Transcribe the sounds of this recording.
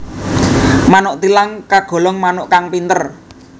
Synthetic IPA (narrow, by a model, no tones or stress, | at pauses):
manʊʔt̪ilaŋkaɡ̥ɔ̤lɔŋmanʊʔkaŋpint̪ər